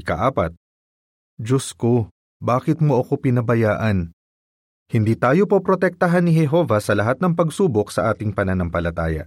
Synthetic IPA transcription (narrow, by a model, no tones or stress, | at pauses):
ɪkɐ̰ʔaːpɐt̪̚ | d͡ʒosko | baːkɪt̪̚moʔɐko̞pɪnɐbɐjaːʔɐn | hɪnd̪iːt̪aːjo̞po̞pɾo̞t̪ɛk̚t̪ɐɦanːɪɦɛɦo̞ːvɐsɐlɐɦat̪nɐŋpɐɡsuːbo̞ksɐʔaːt̪ɪŋpɐnɐnɐŋpɐlɐt̪aːjɐ̰